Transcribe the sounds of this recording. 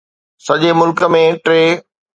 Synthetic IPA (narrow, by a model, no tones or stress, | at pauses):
sɐʄemʊlkə̆mẽʈɾeː